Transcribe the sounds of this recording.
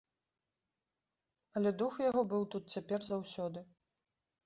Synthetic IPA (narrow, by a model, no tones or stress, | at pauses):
ɐlʲɛd̪uxjaɣɔbɨwt̪ut̪̚t͡sʲapʲɛrzawsʲɔd̪ɨ